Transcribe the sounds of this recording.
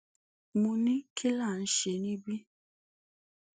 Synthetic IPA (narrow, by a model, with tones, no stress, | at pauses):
mu˨nĩ˦kʰi˦la˦˨n̩˨ʃe˨nĩ˦bi˦